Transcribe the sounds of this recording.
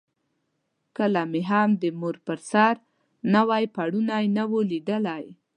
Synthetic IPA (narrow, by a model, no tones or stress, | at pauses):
kəlameɦamd̪əmuɾpəɾsɑɾ | nawɑjpaɽunajnawolid̪əlaj